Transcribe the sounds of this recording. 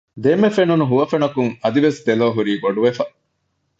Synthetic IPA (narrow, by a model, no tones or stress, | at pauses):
d̪emːefenunuɦuʋɐfenɐkuŋɐd̪iʋesd̪eloːɦuɾiːɡoɖuʋefɐ